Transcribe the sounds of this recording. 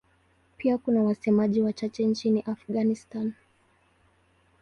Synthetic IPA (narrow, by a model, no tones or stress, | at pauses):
pʰiakunawasɛmaʄiwat͡ʃat͡ʃɛnt͡ʃiniʔafɠanistan